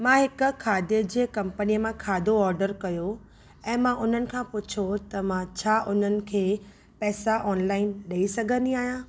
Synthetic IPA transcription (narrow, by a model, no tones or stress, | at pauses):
mãɦɪkʊ̆kʰaːd̪ed͡ʑeːkɐ̃mpəniəmãkʰaːd̪ʱoɔːɾɖəɾkɐjo | ɛ̃ːmãʔʊn̤ənɪ̆kʰãpʊt͡ɕʰot̪ɐmãt͡ɕʰaːʔʊn̤ənɪ̆kʰeː | pɛːsaʔɔːnlaːɪnɗɐisɐɡʱə̃nd̪iaːɦijãː